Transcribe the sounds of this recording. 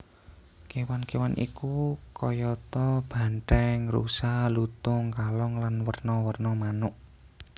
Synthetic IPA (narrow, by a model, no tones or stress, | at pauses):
kewankewanʔḭkukɔjɔt̪ɔb̥a̤nʈ̪ɛŋrṵsalut̪ʊŋkalɔŋlanwərnɔwərnɔmanʊʔ